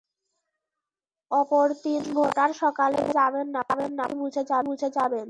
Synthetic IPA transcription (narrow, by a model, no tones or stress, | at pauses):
ɔpoɾt̪inbʱoʈaɾʃɔkalḛbud͡ʑabenːaabenːabʱud͡ʑʱed͡ʑabʱud͡ʑʱed͡ʑaben